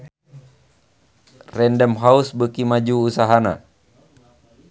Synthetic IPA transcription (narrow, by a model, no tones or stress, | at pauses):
rɛndəmɦausbəkimad͡ʒuːsaɦana̰